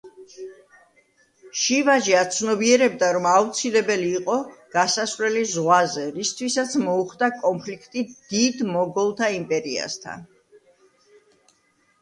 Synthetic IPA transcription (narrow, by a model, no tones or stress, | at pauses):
ʃivaʒiat̪sʰnɔbiɛɾɛbd̪aɾɔmaut̪sʰilɛbɛliːqʼɔɡ̥asasvlɛlizʁwazɛɾist̪ʰwisat̪sʰmɔuχd̪akʼɔmpʰlikʰt̪ʼid̪̥id̪mɔɡɔlˠt̪ʰaimpʼɛɾia̰st̪ʰa̰n